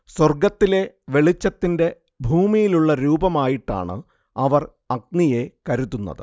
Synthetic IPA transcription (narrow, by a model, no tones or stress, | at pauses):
swɐrɡɐt̪ːile̞ | ʋe̞ɭit͡ɕːɐt̪ːinde̞ | bʱuːmijiluɭːɐɾuːbɐmaːjiʈːa̰ːɳɨ̰ | ɐʋɐr | ɐk̚nije̞kɐɾut̪ːunːɐ̰ðɨ̰